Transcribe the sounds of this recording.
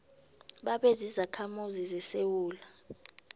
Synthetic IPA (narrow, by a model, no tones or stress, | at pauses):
ɓaɓezizakʰamuzizɛsewuːla